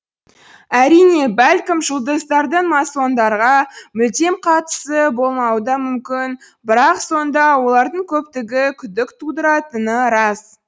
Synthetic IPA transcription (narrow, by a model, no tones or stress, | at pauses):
æɾijne̞bælʲkʲɪmʒəlˠd̪əzd̪ɑɾd̪əɴmɑso̞nd̪ɑɾʁɑmʏld̪e̞mqʰɑt̪ə̥səbo̞lˠmɑwəd̪ɑmʏmkʲɪn | bɪɾɑqso̞nd̪ɑwo̞lˠɑɾd̪əɴkʲʰɵp̚t̪ɪɡʲɪkʲʰʏd̪ɪkt̪ʰud̪əɾɑt̪ənəɾɑs